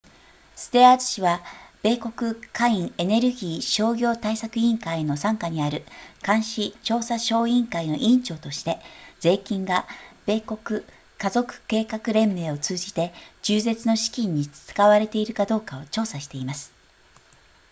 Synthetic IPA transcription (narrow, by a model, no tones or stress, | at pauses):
sɨ̥t̪e̞atɨ̥ɕiβab̥e̞ːko̞kɯ̟kaĩŋe̞ne̞ɾɯ̟ɡʲiːɕo̞ːɡʲo̞ːt̪aisakɯ̟ĩŋkaino̞sãŋkaɲ̟iaɾɯ̟kãɰ̃ɕit͡ɕo̞ːsaɕo̞ːĩŋkaino̞ʔĩɲt͡ɕo̞ːt̪o̞ɕi̥t̪e̞d͡z̥e̞ːkʲĩŋɡab̥e̞ːko̞kɯ̟ | kazo̞kɯ̟̥ke̞ːkakɯ̟ɾẽ̞mːe̞ːo̞t͡sɨːʑit̪e̞d͡ʑɨːze̞t͡sɨno̞ɕi̥kʲĩɲ̟ːit͡st͡sɨ̥kaβaɾe̞t̪e̞iɾɯ̟kad̪o̞ːkao̞t͡ɕo̞ːsaɕi̥t̪e̞imasɨ̥